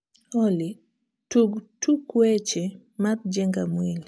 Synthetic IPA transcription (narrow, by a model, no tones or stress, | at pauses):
ɔli | tuɡtukwɛt͡ʃɛ | maɾd͡ʒɛŋɡamwili